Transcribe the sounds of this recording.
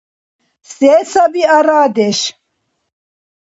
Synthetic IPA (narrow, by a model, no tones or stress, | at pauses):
seːsɐbiɐɾaːd̪eɕ